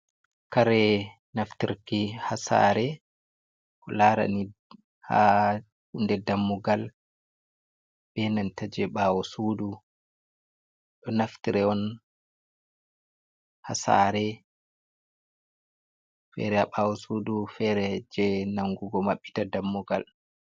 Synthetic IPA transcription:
kaɾɛ | naftiɾkihasa̰ɾɛ | kɔlaɾa̰ni | ha̰ | hundɛdamːɔɡal | b̥ɛnantad͡ʒɛɓawɔsudu | ɗɔnaftiɾɛɔn | hasa̰ɾɛ | fɛ̰ɾɛhaɓawɔsudufɛɾɛd͡ʒɛnaŋɡuɡɔmaɓːi̥tadamːɔɡal

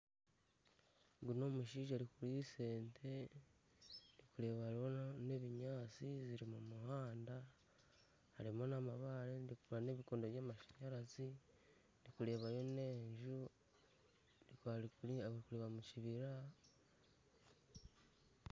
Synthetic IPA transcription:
ɡuno̞ːmuʃiːʒaɾikuɾise̞ːntʰe̞ | ɾikuɾe̞βaɾone̞βiɲaːt͡siziɾimumuhaːnda | haɾimo̞namaβaɾendikuɾane̞ːβikoːndoβjaːmaʃḁɲaɾazi | ndikuɾe̞ːβajo̞ne̞ːɲʒu | ɾikaɾikukuɾeːβamuciβiɾa

